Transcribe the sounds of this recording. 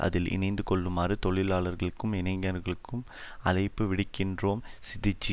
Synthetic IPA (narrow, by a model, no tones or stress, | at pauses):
ʔɐ̰ðɪlɪ̰nɐɪnd̪ɯkɔɭːɯmaːrɯt̪ɔɭɪlaːɭɐɾɣɐɭɯkːɯmɪnɐŋɡɐɾɣɐɭɯkːɯm | ɐlɐɪpːɯʋɪɽɪkːɪndroːmsɪðɪt͡ʃːi